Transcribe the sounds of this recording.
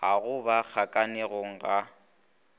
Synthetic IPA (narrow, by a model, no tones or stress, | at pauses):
aɣʊbak͡xʰakʼanɛɣoŋ̩ɣa